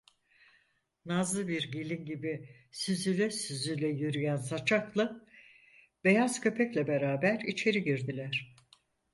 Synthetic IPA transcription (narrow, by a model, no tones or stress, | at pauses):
nazˠɯbiɾɟelʲinɟibi | syzylʲɛsyzylʲɛjyɾyjænsat͡ʃʰaklˠɯ | be̞jaz̥cʰø̞pʰɛclʲɛbe̞ɾaːbæɾit͡ʃʰe̞ɾiɟiɾd̪ilʲæɾ̥